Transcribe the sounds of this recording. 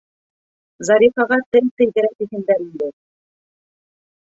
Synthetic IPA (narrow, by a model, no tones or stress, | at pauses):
zɑɾʲifɑʁɑt̪ɘlt̪ɘ̆jðɘ̆ɾæt̪iɦɘ̆nd̪æɾind̪ɘ